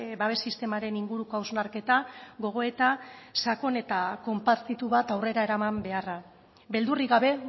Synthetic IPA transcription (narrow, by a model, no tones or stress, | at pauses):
baβe̞sist̪e̞maɾe̞niŋɡuɾuko̞awznaɾke̞t̪aɣo̞ɣ̞o̞et̪asako̞ne̞t̪ako̞mpat̪it̪uβat̪awre̞ɾaeɾamambe̞ara | be̞ld̪uriɣaβe̞